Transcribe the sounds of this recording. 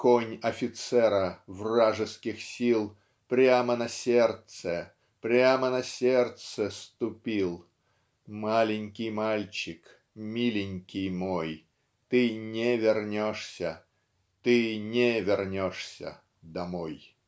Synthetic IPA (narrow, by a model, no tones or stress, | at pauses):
konʲɐfʲɪt̪sɛɾəvraʐɨskʲɪxsʲilˠ | pɾʲamənɐsʲert̪sə | pɾʲamənɐsʲert̪səst̪ʊpʲilˠ | malʲɪnʲkʲɪjmalʲt͡ɕɪk | mʲilʲɪnʲkʲɪjmoj | t̪ɨnʲevʲɪrnʲoʂsʲə | t̪ɨnʲevʲɪrnʲoʂsʲə̰ | d̪ɐmoj